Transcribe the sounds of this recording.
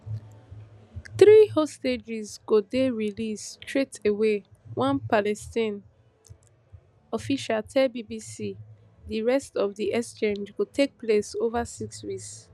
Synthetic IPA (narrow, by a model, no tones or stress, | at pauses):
θɹihosted͡ʒizɡodeɹilistʰɹetewewʔãnpalɛstĩn | ɔfiʃaltʰɛlbibisi | diɹɛstɔvdiʔɛkst͡ʃẽnd͡ʒɡotʰek̚plesovasikswiks